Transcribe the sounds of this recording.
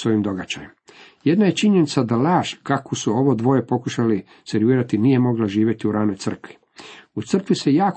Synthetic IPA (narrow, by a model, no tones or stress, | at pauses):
sʋoːʋimd̪o̞ɡad͡ʒajemjed̪naje̞t͡ʃiɲenit̪sad̪alaːʃkakosuo̞ʋod̪ʋo̞ːje̞po̞kuʃali | se̞ɾʋiːɾat̪inije̞mo̞ɡlaʒiːʋʲje̞t̪iuɾaːnojt̪sr̩kʋi̥ | ut̪sr̩kʋisejaːk